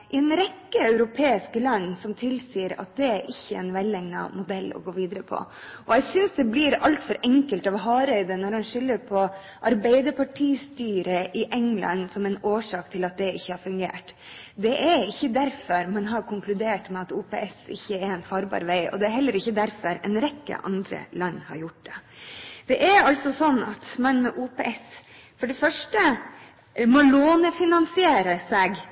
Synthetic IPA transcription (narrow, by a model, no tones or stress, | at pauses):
ʔɪɛnɾɛkːəœʉɾʊpʰeːɪskəlɑnːsɔmt̪ʰɪlsiːəɾɑ̰t̪̚d̪ɛæɾʔɪçːəɛ̰ɪnʋɛlɛŋnɑ̰mʊd̪ɛlːɔ̰ɡoːʋiːd̪əɾəpʰɔ̰ʔɔɛɡsʏnsd̪ɛblɪɾɑlt̪fɔɾʔɛŋkəlt̪ɑʋɦɑːɾəɪd̪ənɔɾmɑnʂʏlːəɾpʰɔ | ʔɑɾbæɪd̪əpʰɑʈʰiːst̪yːɾəʔɪʔɛŋlɑ̰nsɔmɛɪnoːʂɑːkt̪ʰɪlɑt̪̚d̪ɛɪçːəhɑɾfʉŋɡḛːʈ | d̪ɛʔɛɾɪçːəd̪æɾfɔɾmɛnɦɑɾkʰʊŋklʉd̪eːʈmɛɑt̪uːpḛːʔɛsɪ̰çːəɛɾɛnfɑɾbɑ̰ːɾʋæɪɔ̰d̪ɛæɾɦɛlːəɾɪçːəd̪æɾfɔɾɛ̰nɾɛkːə̰ʔɑ̰nd̪ɾə̰lɑnːhɑ̰ɾjʊʈ̚d̪ɛd̪̥ɛʔæɾɑlt̪sɔsɔnːɑt̪mɑnmɛʔuːpeʔɛs | fɔɖɛfœʂʈə | mɔloːnəfɪnɑnsɪeːɾəsɛɡ